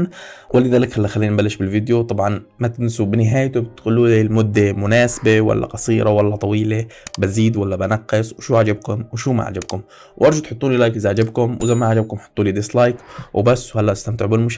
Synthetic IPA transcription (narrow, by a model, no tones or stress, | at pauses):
nwʔɪlːɪðaːlɪkxalːixalːiːnnbalːɪʃbɪlvid̪jot̪ˤɑbʕɑnmat̪ɪnsubɪnɪɦaːjt̪ʊbɪt̪xʊlːuːlilmʊd̪ːemʊnaːsabewa̰lːa̰qɑsˤiːɾɑwalːat̪ˤɑwiːlebaziːd̪walːabanɑqːɨsˤwʃuːʕad͡ʒab̚kʊmwʃuːma̰ʕa̰d͡ʒab̚kʊm | wʔɑɾˤʒut̪ħʊt̪ˤːuːlilaːjkɪzʕad͡ʒabkʊmwzamːaʕad͡ʒab̚kʊmħʊ̥t̪ˤːuːlid̪ɪslajkwbasːwhalːaʔast̪amt̪ɪʕbɪlmʊʃ